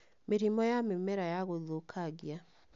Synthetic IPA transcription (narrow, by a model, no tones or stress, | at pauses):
meɾimɔjamemɛɾajaɣoðokʰaɡja